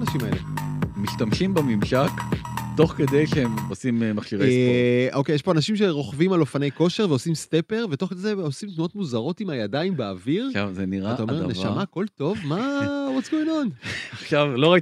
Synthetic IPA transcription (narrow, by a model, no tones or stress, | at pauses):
anaʃimaḛlemiʃtamʃimbemimʃakto̞χke̞d̪ejʃeemosimmaχʃiʁeʔoke̞jeʃpo̞anaʃimʃe̞ʁo̞χvimalo̞fane̞jko̞ʃe̞ʁveosimste̞pe̞ʁvet̪o̞χked̪ejzeosimt̪nuo̞t̪muzaʁo̞timhajadaimbeaviʁʃazeniʁataome̞ʁnevʃamako̞lto̞vmawot͡sɡoinonaχʃavlo̞ʁaj